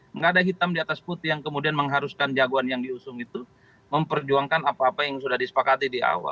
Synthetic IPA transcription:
ŋɡadaɦit̪amdiat̪asput̪ijaŋkəmudianməŋɦaɾuskand͡ʒaɡuanjaŋdiusʊŋit̪u | məmpərd͡ʒuaŋkanapaːpajaŋsudahdisə̥pakat̪idia̰wa̰l

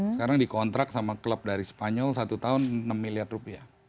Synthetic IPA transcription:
səkaɾaŋdikɔnt̪ɾak̚samakələp̚daɾisə̥paɲɔlsat̪ut̪aʊnːəmːiliadrupiah

